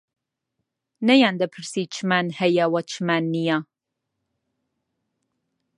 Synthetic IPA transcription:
nɐjaːnd̪ɐpʰɨɾsit͡ʃʰɨmanhɛjɐwɐt͡ʃʰɨmanːija

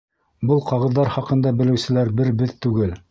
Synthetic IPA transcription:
bɤlˠqɑʁɤ̆ðːɑɾχɑqɤ̆nd̪ɑbɘ̆lɘ̆wsɘ̆læɾbɘɾbɘðt̪ʉɡɘl

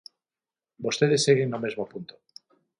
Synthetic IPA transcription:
bo̞st̪eðe̞sːeɣeŋnomezmopunt̪o

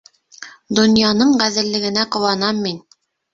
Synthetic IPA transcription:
d̪ŏnjɑnɤɴʁæðɘ̆lːɘ̆ɡɘ̆næqŏwɑnɑmːin

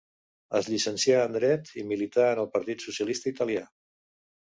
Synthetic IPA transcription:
əzʎisənsjaənd̪ɾɛt̪imilit̪aənəlˠpəɾt̪it̪susjəlist̪əit̪əlia

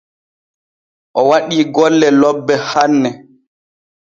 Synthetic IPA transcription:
ʔɔwaɗiːɡɔlːɛlɔbːɛhanːɛ

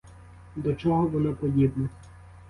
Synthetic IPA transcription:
d̪ɔt͡ʃɔɦɔʋɔnɪpɔdʲibnɔ

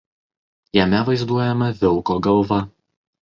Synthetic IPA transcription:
jɛmʲɛʋɐɪzd̪uɔjɛmɐʋʲɪlˠkoːɡɐlˠʋɐ

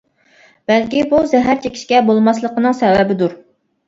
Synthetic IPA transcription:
b̥ɛlkʲibuzɛɦæɾt͡ʃʰekʲi̥ʃkʲɛbolˠmɑslˠəqənɨŋsɛwɛbɪd̪uɾ

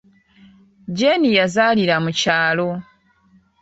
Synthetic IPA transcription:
ɟenijazaːliɾamucaːlo̞

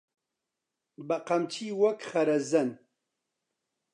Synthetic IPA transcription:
bɐqɐmt͡ʃʰiːwɐkχɐɾɐzɐn

